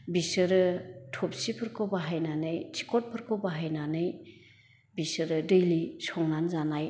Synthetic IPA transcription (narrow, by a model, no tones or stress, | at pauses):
bisɯɾɯtʰɔp̚sipʰɯɾkʰɯbaɦajnanɯjt͡ʃi̥kʰɔt̚pʰɯɾkʰɔwbaɦajnanɯj | bisɯɾɯdɯjlisɔŋnanzanaj